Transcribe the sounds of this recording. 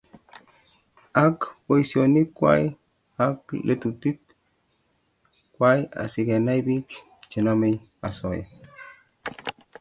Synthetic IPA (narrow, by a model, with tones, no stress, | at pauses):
a˦kpo˨isioni˦kːwa̰˦j | a˦klʔe˦t̪u˨ti˦k | kːwa˦ja̰˨si˨ɡe˨na˦jbi˦k | t͡ʃi˨na˦me˦j | a˨sɔ˨ja̰˨